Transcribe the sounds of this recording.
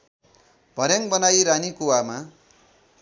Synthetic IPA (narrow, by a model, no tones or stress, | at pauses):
b̥ʱʌɾjaŋbʌnajɾanikuwama